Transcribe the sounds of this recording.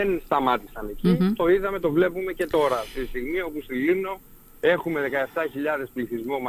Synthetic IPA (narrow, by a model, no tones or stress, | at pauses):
enst̪ɐmɐt̪isɐne̞cit̪o̞iðɐme̞t̪o̞vle̞pume̞ce̞t̪o̞ɾɐst̪ist̪iɣmio̞pust̪ilino̞ | e̞xume̞ðe̞kɐe̞ft̪ɐçiʎɐðe̞spliθizmomɐ